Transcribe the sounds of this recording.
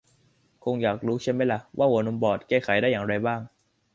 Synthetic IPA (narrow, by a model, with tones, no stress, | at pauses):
kʰo˧ŋjaː˨˩k̚ɾuː˦˥t͡ɕʰi˥˩ma˦˥jla˧˩wʔa̰ː˥˩wuː˨˩˦no˧mbɔː˨˩t̪̚kɛː˥˩kʰa˨˩˦jdaː˥˩jaː˨˩ŋɾa˧jbaː˥˩ŋ